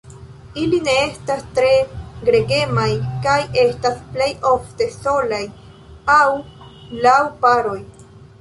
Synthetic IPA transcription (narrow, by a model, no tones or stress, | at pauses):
iline̞e̞stastɾe̞ɡɾe̞ɡe̞majkaje̞stasple̞jo̞fte̞so̞laj | awlawpaɾo̞j